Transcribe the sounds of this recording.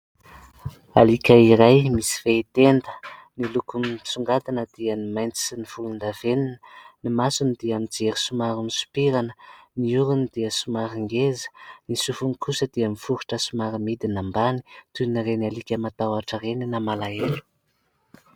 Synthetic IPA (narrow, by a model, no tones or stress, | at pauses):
alikʲaiɾajmisi̥veit̪end̪ə̥nilukumsuŋɡat̪anəd̪̥iənimajnt͡si̥iniv̥ulund̪av̥eninənimasunid̪iamid͡zeɾisumaɾunisu̥piɾanəniuɾunid̪iəsumaɾiŋɡezə̥nisufunikusəd̪iamifuɾuʈ͡ʂəsumaɾimid̪inambani̥t̪uniɾenalikʲəmat̪awaʈ͡ʂəreninamalaelu̥